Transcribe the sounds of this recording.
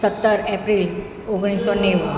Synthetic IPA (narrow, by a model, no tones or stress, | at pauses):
sət̪ːəɾɛpɾil | oɡɽ̃isoneʋ